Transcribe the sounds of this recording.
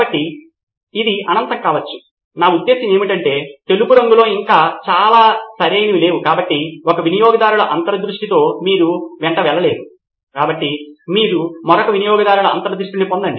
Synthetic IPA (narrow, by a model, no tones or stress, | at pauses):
ɐʈːi | id̪iɐnɐnt̪ɐŋkaːʋɐt͡ʃːu̥ | naːud̪ːe̞ːsɐme̞ːmiʈɐɳʈe̞ːt̪e̞luɡuɾɐŋɡulo̞ːiŋkaːt͡ʃaːlaːsɐɾiɐjnɐʋile̞ːʋukaːbɐʈːiɔkɐʋinijɔːɡɐd̪aːɾuɭɐʔɐnt̪ɐɾɐd̪ɾuʂʈit̪o̞ːmiːɾuʋɛɳʈɐʋɛlːɐle̞ːd̪u | kaːbɐʈːimiːɾumɔɾɐkɐʋinijɔːɡɐd̪aːɾuɭɐɐ̰nt̪ɐɾd̪ɾuʂʈinipond̪ɐɳɖi